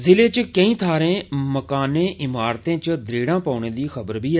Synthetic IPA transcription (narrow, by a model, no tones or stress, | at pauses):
zɪleːt͡ʃkəĩːt̪ʰaːɾẽːməkaːnẽːʔɪmaːɾt̪ẽːt͡ʃd̪ɾeːɽãːpaʊɳẽːd̪iːxəbəɾbiːɛː